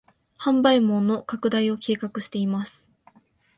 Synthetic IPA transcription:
hãmbaimõ̞nːo̞kakɯ̟d̪aio̞kʰe̞ːkakɯ̟ɕi̥t̪e̞imasɨ̥

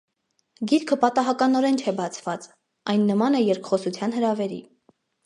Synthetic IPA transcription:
ɡiɾkʰəpɑt̪ɑɦɑkɑnɔɾɛnt͡ʃʰɛbɑt͡sʰvɑt͡s | ɑjnːəmɑnɛjɛɾkʰχɔsut͡sʰjɑnhəɾɑvɛɾḭ

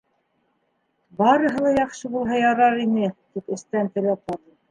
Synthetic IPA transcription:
bɑɾɤ̆ɦɤ̆lˠɑjɑqʃɤbulˠɦɑjɑɾɑɾinɘt̪ipɘ̆st̪ænt̪ɘ̆læp̚mɑðɤ

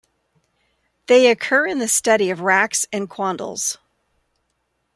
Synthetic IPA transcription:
ðeɪɨkʰɜ˞ɨ̃nðɨstʌɾiʌvɹæksɨ̃nkʰw̥ɑ̃ndˡl̩ˠz̥

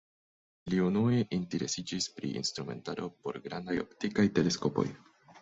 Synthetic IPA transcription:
liunue̞ʔinte̞ɾe̞sid͡ʒispɾḭʔḭnst̪ɾume̞̰ntaɾo̞po̞ɾɡɾandajo̞̰ptikajte̞le̞sko̞po̞̰j

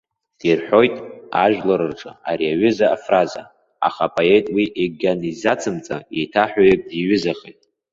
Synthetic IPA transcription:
d̥irħʷᶣo̞jtʼa̰ʒᶣlaɾɨrʈ͡ʂʼaaɾiaɥʏzaːfraza̰ | a̰χapʼoe̞jtʼwiʔeɡʲanizat͡sʰɨmt͡sʼaejtʰaħʷᶣajek̚ʼdiɥʏzaχetʼ

